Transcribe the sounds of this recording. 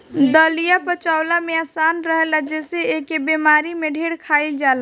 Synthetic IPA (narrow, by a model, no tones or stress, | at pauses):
d̪əlijapət͡ʃawlameasanɾəɦɛlad͡ʒeseekebemaɾimeɖʱeɽkʰaild͡ʒala